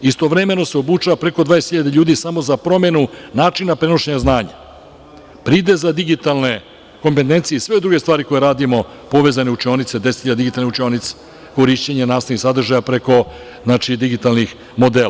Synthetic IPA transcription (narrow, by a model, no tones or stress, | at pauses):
ist̪o̞ʋɾeme̞no̞seobut͡ʃaʋapɾe̞ko̞d̪vaesxiʎad̪eʎuːd̪isamo̞zapɾo̞me̞nunaːt͡ʃinapɾe̞no̞ʃeɲaznaːɲa | pɾiːd̪ezad̪iɡit̪alˠne̞ | ko̞mpet̪̬e̞nt̪sijesʋe̞od̪ɾuɡest̪ʋaːɾiko̞jeɾaːd̪imo̞ | po̞ʋe̞ːzaneut͡ʃio̞nit̪se̞d̪eset̪hiʎad̪iɡit̪alneut͡ʃionit̪se̥ | ko̞ɾiʃt͡ɕeɲenaːst̪anixsad̪rʒajapɾe̞ko̞ | znaːt͡ʃid̪iɡit̪alnix | mo̞d̪eːla